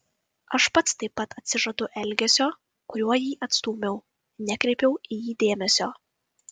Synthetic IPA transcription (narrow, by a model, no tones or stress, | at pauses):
ɐʃpɐt̪st̪ɐɪpːɐt̪ɐt̪ʲsʲɪʒɐd̪ʊʔɛlʲɡʲɛsʲoː | kʊɾʲuɔjiːʔɐt̪st̪uːmʲɛʊ | nʲɛkɾʲɛɪpʲɛʊɪjiːd̪ʲeːmʲɛsʲoː